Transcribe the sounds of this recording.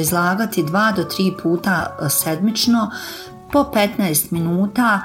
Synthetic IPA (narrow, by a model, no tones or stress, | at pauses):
izlˠaːɡat̪id̪ʋaːd̪o̞t̪ɾiːpʰuːt̪ased̪mit͡ʃno̞ | po̞pe̞t̪naest̪minuːt̪a